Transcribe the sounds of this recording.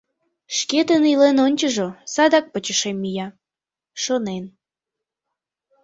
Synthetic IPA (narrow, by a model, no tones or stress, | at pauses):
ʃket̪ənilenonʲt͡ɕəʒosɑd̪ɑk̚pət͡ɕəʃemːijɑ | ʃonen